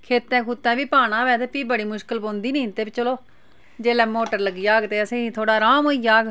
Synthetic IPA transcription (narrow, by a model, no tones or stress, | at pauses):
kʰeːt̪ːɛ̃ːkʰʊt̪ːɛ̃ːʋiːpaːɽ̃ãːʋɛːt̪epiːbəɽiːmʊʃkəlbõːnd̪iːnĩːt̪eːbit͡ʃəloː | d͡ʒeːlɛːmoːʈəɾləɡiːjaːɡt̪eːəsẽːt̪ʰoːɽaːɾaːmoːiːjaːɡ